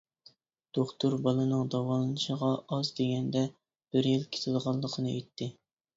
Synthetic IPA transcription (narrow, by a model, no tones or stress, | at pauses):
d̪̥oχt̪uɾbɑlˠɨnɨŋd̪ɑwɑlˠɨnɨʃəʁɑɑzd̪eɡʲɛnd̪ɛ | b̥ɪɾjilkʲʰe̥t̪ʰɨlˠʁɑlˠːəqʰənɨʔet̪ʰːɪ